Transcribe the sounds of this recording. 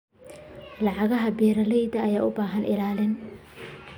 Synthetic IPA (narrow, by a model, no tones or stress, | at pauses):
lɑʕɑɣɐɦɐbɛːɾɐlɛjd̪ɐːjaːʔʊbaːɦɐnʔɪ̰laːlɪn